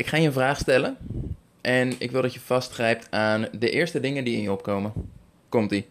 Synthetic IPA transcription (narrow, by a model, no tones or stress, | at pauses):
ɪkχaːjəə̃nvraːχstɛlən | ʔɛnɪ̰kʋɪlˠdɑtjəv̥ɑstχrɛjp̚tʰaːndəʔɪːɹstədɪŋəndiɪnjəɔpkowmən | kɔmti